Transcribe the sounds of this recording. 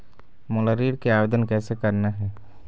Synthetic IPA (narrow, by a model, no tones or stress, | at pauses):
mʊləɾiːɾkeaːʋeːd̪ənkɛːsekəɾnaɦɛː